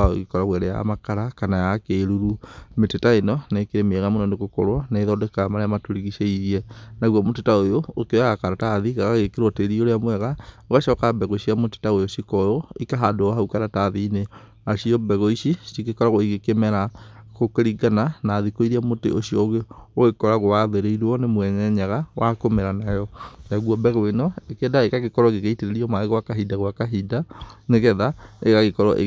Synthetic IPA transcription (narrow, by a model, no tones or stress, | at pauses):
ao̰ɣikɔɾaɣwɛɾɛja̰makaɾakanajakeɾuɾumetetaenɔneːkeɾemɛɣamonɔnekokɔ̰ɾwɔnaeðɔdɛkamaɾeamatoɾiɣiʃeiɣiɛnaɣwɔmotetaojoːkeaɣakaɾataðiɣaɣaɣekeɾwɔteɾioɾeamwɛɣaoɣaʃɔkabɛɣoʃiamote̥taojoʃikɔjoikaɦadoaɦaukaɾataðiːne | aɕiɔbɛɣoiʃisiɣekɔɾaɣoiɣekemɛɾaɣokeɾiɡananaːðikoiɾiamotḛoɕiɔɣeoɣekɔɾaɣoaðeɾeiɾɔnemwɛɲɛɲaɣawʔakomɛɾanajɔnaɣwɔbɛɣwenɔekedaeɣaɣekɔɾɔɣeɣeiteɾeɾiɔmaɣeɣwakaɦidaɣwakaɦidaneɣɛðaeɣaɣekɔɾɔʔe